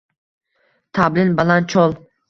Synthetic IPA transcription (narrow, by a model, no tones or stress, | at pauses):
t̪ʰablɪnbalant͡ʃʰɒlˠ